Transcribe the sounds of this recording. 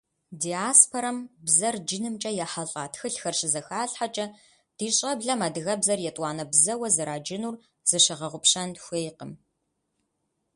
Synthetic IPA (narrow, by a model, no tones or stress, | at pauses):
diːaːspʰoɾɐmbzɐrd͡ʒɪnɨmt͡ʃʼɐjɛħɐɬʼaːtʰxɨɬxɐrʃɪzɐxaːɬħat͡ʃʼɐ | d̥iːɕʼɐbɮɐmaːdɨɣɐbzɐrjɛtʼwɑːnɐbzɐwɐzɨɾaːd͡ʒɪnuːr | z̥ɨʃɐʁɐʁʷʊpɕɐnxʷeːjqəm